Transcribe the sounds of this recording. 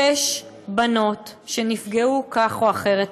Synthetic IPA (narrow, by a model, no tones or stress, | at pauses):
eʃ | bano̞tʃenifɡeukaχoaχe̞ʁet